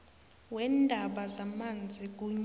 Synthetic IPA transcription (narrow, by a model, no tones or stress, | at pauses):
wɛndʱaɓazamand͡zʱik̬ʼuɲ